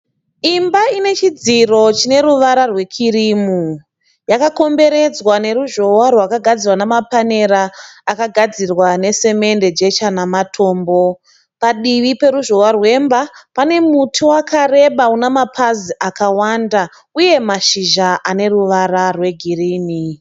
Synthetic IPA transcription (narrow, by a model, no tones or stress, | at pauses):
imbaine̞t͡ʃid͡ziro̞t͡ʃine̞ɾuʋaɾarwe̞kʰirimu | jakako̞mbe̞ɾe̞d͡zwane̞ɾuʒo̞warwakaɡʱad͡zirwanamapane̞ɾaːkaɡʱad͡zirwane̞se̞me̞nde̞d͡ʒe̞t͡ʃanamatʰo̞ːmbo̞ | paɗiʋipe̞ɾuʒo̞warwe̞mbapane̞mutʰiwakare̞ɓaunamapʰaziʔakawanda | uje̞maʃiʒaʔane̞ruʋararwe̞ɡʱiriːni